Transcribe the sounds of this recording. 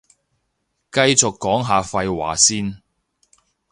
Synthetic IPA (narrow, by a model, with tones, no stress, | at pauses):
kɐ˧jt͡sʊ˨kːɔː˨˥ŋɦaː˨fɐ˧jwa̰ː˨˩siː˥n